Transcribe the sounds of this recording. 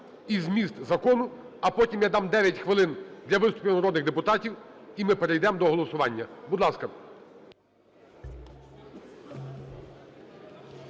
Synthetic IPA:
izmʲist̪zɐkɔnʊ | ɐpɔtʲimjɑd̪ɑmd̪ɛʋʲjɐtʲxʋɪlˠɪnd̪lʲɐʋɪst̪ʊ̥pʲiʋnɐɾɔd̪nɪɣd̪epʊt̪ɑtʲiwimɪpeɾejd̪ɛmd̪ɔɦɔlˠɔsʊʋɑnʲːɐbʊd̪lˠɑskɐ

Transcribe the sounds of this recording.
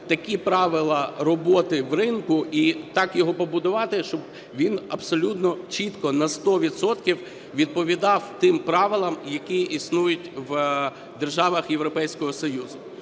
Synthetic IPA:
t̪ɐkʲipɾɑʋɪlˠɐrɔbɔt̪ɪwrɪnkʊʔit̪ɑkjɔɦɔpɔbʊd̪ʊʋɑt̪ɪʃt͡ʃɔb | ʋʲinɐbsɔlʲut̪nɔt͡ʃit̪kɔnɐst̪ɔʋʲid̪sɔt̪kʲiw | ʋʲid̪̚pɔʋʲid̪ɑwt̪ɪmpɾɑʋɪlˠɐmjɐkʲiisnujʊtʲʋ | d̪erʒɑʋɐxjeʋɾɔpɛjsʲkɔɦɔsɔjuzʊ

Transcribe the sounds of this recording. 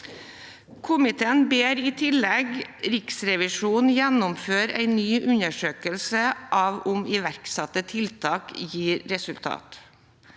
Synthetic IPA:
kʰʊmɪt̪ʰeːənbeːɾiːt̪ʰɪlɛɡɾɪksɾɛʋɪʂuːnn̩jænʊmføːɾæ̰ɪnyːʔʉnəʂøːkəlsəʔɑːʋʊmɪʋæɾksɑt̪ːət̪ʰɪlt̪ʰɑːkjiːɾɾɛsʉlt̪ʰɑ̰ːt̪

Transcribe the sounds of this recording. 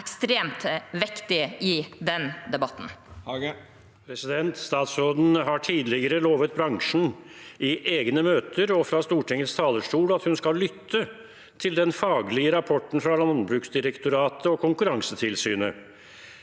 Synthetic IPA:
kst̪ɾeːmt̪ʋɪkt̪ɪɪd̪ɛnd̪ɛbɑt̪n̩ | pʰɾɛsɪd̪ɛnt̪st̪ɑːt̪sɾoːd̪n̩ɦɑʈʰiːd̪lɪɡəɾəloːʋət̪̚bɾɑŋʂɳ̩ʔɪʔeːɡnəmøːt̪ʰəɾɔfɾɑst̪uːʈʰɛŋət̪st̪ʰɑːləʂʈuːlɑt̪hʉnskɑllʏt̪ʰːə | t̪ʰɪld̪ɛnfɑːɡlɪəɾɑpʰɔʈːɳ̩fɾɑlɑnbɾʉːksd̪ɪɾɛkt̪ʊɾɑːt̪ʰəɔkʰʊŋkʉɾɑŋsət̪ʰɪlsyːnə

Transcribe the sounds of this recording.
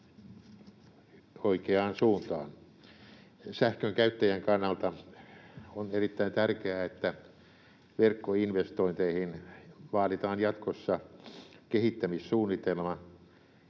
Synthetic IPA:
oikeɑːnsuːnt̪ɑ̰ːn | sæhkøŋkæyt̪ːæjæŋkɑnːɑlt̪ɑ | onerit̪ːæint̪ærkeæet̪ːæ | ʋerkːoinʋest̪oint̪eihinʋɑːdit̪ɑːnjɑt̪kosːɑ | kehit̪ːæmissuːnːit̪elmɑ

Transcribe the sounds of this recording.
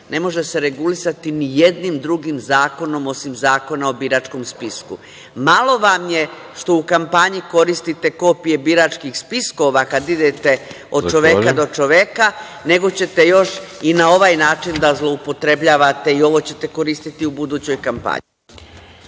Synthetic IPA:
ne̞mo̞ʒe̞seɾe̞ɡulisat̪inije̞d̪nimd̪ɾuɡimzaːko̞no̞mo̞simzaːko̞nao̞biːɾaːt͡ʃko̞mspiskṵ | malˠo̞ʋamje̞ | ʃt̪o̞ukampaɲiko̞ɾist̪it̪e̞ko̞pije̞biːɾat͡ʃkixspisko̞ʋakad̪id̪e̞t̪e̞ | o̞d̪̥t͡ʃo̞ʋekad̪o̞t͡ʃo̞ʋeka | ne̞ɡo̞t͡ɕe̞t̪e̞jo̞ʃinao̞ʋaːjnaːt͡ʃind̪azlˠo̞upo̞t̪ɾe̞bʎaːʋat̪e̞io̞ʋo̞t͡ɕe̞t̪e̞ko̞ɾist̪it̪iubud̪uːt͡ɕo̞jkampa̰ɲi

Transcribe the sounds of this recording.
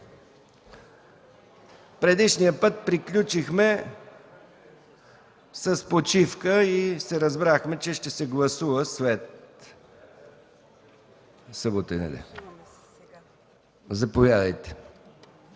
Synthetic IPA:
pɾɛd̪iʃnijəpɤt̪̚pɾiklʲut͡ʃixmɛ | səspot͡ʃifkəisɛɾəzbɾaxmɛt͡ʃɛʃt̪ɛsɛɡlˠɐsuvəsvɛt̪ | səbot̪ənɛ̰d̪ɛ̰ | zɐpovʲjad̪əjt̪ɛ̥

